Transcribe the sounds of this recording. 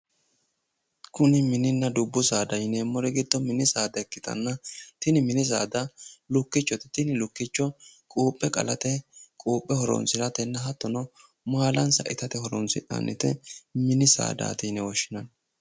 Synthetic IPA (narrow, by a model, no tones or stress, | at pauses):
kʊnɪmɪnɪnːɐd̪ʊbːʊsaːd̪ɐjnɛmːɔɾɛɡɪd̪ːɔmɪnɪsaːd̪ɐkːɪt̪ɐ̰nːɐt̪ɪnɪmɪnɪs̬a̰ːd̪ɐlʊkːɪt͡ʃːɔt̪ɪ̥t̪ɪnɪlʊkːɪt͡ʃːɔkʼuːpʼːɛkʼɐ̰lɐt̪ɛkʼuːpʼːɛhɔɾɔ̰nsɪlɐt̪ɛnːɐɦɐt̪ːɔnɔ | maːlɐnsɐ̰ʔɪt̪ɐt̪ɛhɔɾɔ̰nsɪʔɐ̰nːɪt̪ɛmɪnɪsa̰ːd̪a̰ːt̪ɪjnɛwɔʃːɪnɐn